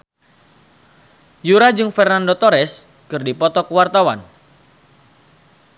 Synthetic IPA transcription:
juɾad͡ʒɨŋfɛrnandɔt̪ɔɾɛs | kɨrdipɔt̪ɔkəwart̪awan

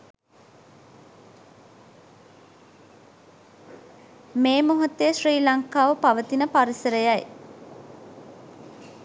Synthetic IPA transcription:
meːmoɦɐt̪eʃriːlaŋkaːʋəpaʋət̪inəpaɾisəɾəjaj

